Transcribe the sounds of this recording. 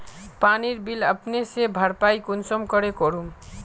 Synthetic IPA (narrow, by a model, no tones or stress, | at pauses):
paniɾbiləpnesebʱəɾpaikunsɔmkʌɾekɔɾum